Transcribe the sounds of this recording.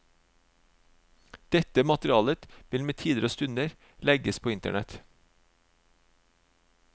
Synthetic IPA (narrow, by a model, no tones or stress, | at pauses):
d̪̥ɛt̪əmɑt̪ɾɪɑːlət̪ʋɪlmeːt̪ʰiːd̪əɾoːst̪ʉnəɾ | lɛɡəspʰoːɪnt̪ə̰ɳɛt̪